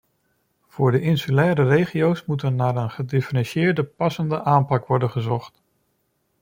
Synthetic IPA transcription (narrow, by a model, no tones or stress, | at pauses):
v̥ʊːɹdəʔɪnsylɛːɾərejχijowsmutəɹnaːɹənχədɪfərɑnʃɪːɹdəpɑsəndəʔaːmpɑkʋɔɹdənχəzɔχt